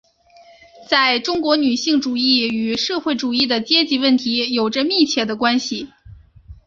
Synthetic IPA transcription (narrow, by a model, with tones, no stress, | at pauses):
t͡sa˥˩ɪʈ͡ʂʊ˥ŋkwɔ˧˥ny˨˩ɕi˥˩ŋʈ͡ʂu˨˩i˥˩y˨˩ʂɤ˥˧xwe˥˩ɪʈ͡ʂu˨˩i˥˩d̪ə˩t͡ɕjɛ˥t͡ɕi˧˥wə˥˩nt̪ʰi˧˥jo˨˩ʊʈ͡ʂə˦mi˥˧t͡ɕʰjɛ˥˩d̪ə˧kwa˥nɕi˨˩